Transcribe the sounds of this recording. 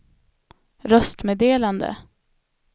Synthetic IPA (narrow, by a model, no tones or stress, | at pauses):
ɾœst̪meːd̪eːland̪ə̰